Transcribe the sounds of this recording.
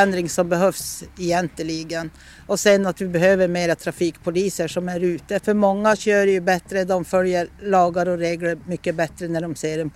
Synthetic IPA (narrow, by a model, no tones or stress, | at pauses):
ɛnd̪ɾɪŋsɔmbɛɦœfsɛjɛnt̪əliɡən | ɔsɛnːat̪ʋɪbɛhøːvəɾmeːɾat̪ʰɾafiːkpʰʊliːsəʂɔmæɾʉːt̪əfœɾmɔŋːaɕøːɾjʉbɛt̪ɾəd̪ɔmfœljəɾɭɑːɡaɾɔɾeːɡləɾmʏkːəbɛt̪ɾənæɖɔmseːɾɛn